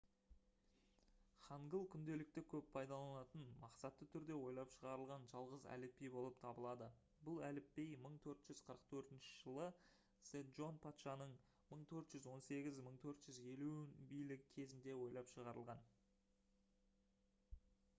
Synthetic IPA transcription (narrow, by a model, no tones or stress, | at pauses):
χɑɴɡəlˠkʲʰʏnd̪e̞lɪk̚t̪ɪkʲʰɵppʰɑjd̪ɑlˠɑnɑt̪ənmɑqsɑt̪ːət̪ʰʏɾd̪e̞wo̞jlˠɑpʃəʁɑɾəlˠʁɑnʒɑlˠʁəzæ̰lɪpːejbo̞lˠəp̚t̪ʰɑbəlˠɑd̪ə | bʊlˠælɪpːejməɴt̪ʰɵɾt̪ʒ̥ʏzqʰəɾəqt̪ʰɵɾt̪ɪnʃɪʒəlˠə | seʒo̞npʰat̪ʃɑnəɴ | məɴt̪ʰɵɾt̪ʒ̥ʏzwo̞nse̞ɡʲɪzməɴt̪ʰɵɾt̪ʒ̥ʏze̞lubijlɪɡʲɪkʲʰe̞zɪnd̪e̞wo̞jlˠɑpʃəʁɑɾəlˠʁɑn